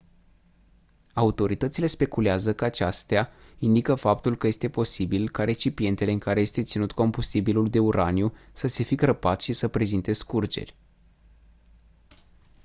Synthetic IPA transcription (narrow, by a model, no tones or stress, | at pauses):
aut̪o̞ɾit̪ət̪sile̞spe̞kuleazəkəat͡ʃast̪eaind̪ikəfap̚t̪ulkəje̞st̪e̞po̞sibilkaɾe̞t͡ʃipie̞nt̪e̞le̞ɨŋkaɾe̞jest̪e̞t̪sinut̪ko̞mbust̪ibiluld̪e̞uɾanjusəse̞fikɾəpat̪ʃisəpɾe̞zint̪e̞skurd͡ʒe̞̰rʲ